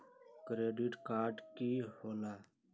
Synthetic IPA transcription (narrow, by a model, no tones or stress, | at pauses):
kɾeːɖiʈkaːɾʈkiːholaː